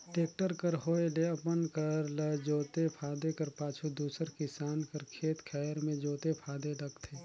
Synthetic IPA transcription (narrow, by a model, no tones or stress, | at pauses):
ʈeːk̚ʈəɾkəɾɦoːeleɐpənkɐɾləd͡ʒoːt̪epʰaːd̪ekɐɾpaːt͡ʃʰud̪uːsəɾkɪsaːnkɐɾkʰeːt̪kʰɛːɾmẽd͡ʒoːt̪epʰaːd̪eɖɐkt̪ʰeː